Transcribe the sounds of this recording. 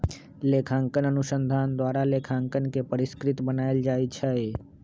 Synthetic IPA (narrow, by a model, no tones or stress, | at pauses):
lekʰãŋkənənuʃənd̪ʱand̪ʋaɾalekʰãŋkənkepəɾɪskɾɪt̪bənaeld͡ʒajt͡ʃʰəj